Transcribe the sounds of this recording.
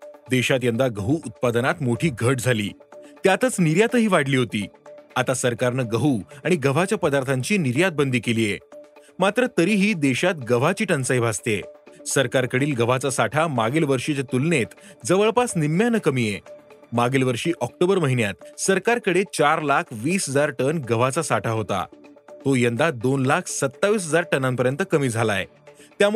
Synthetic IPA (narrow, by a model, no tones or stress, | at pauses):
d̪eɕat̪jə̃nd̪aɡəɦuːut̪̚pad̪ənat̪moʈʰiːɡʱəʈ̚d͡zʱalḭːt̪jat̪ət͡sniɾjat̪əɦiːʋaɽliːɦot̪iːat̪asəɾkaɾnəɡəɦuaɽ̃iɡəʋ̤at͡ɕjapəd̪aɾt̪ʰaɲt͡ɕiːniɾjat̪̚bənd̪iːkeliːje | mat̪ɾət̪əɾiːɦiːd̪eɕat̪ɡəʋ̤at͡ɕiːʈənsajbʱast̪esəɾkaɾkəɽiːlɡəʋ̤at͡sasaʈʰamaɡelʋəɾʂit͡ɕat̪ulnet̪d͡zəʋəɭpasnimːjanəkəmijemaɡelʋəɾʂiːʔɔk̚ʈobəɾməɦinjat̪̚səɾkaɾkəɽet͡ɕaɾlakʰʋiːsɦəd͡zaɾʈənɡəʋ̤at͡sasaʈʰaɦot̪a̰t̪ojənd̪ad̪onlakʰsət̪ːaʋiːs̬ɦəd͡zaɾʈənãmpəɾjənt̪əkəmiːd͡zʱala̰ḛ | t̪jam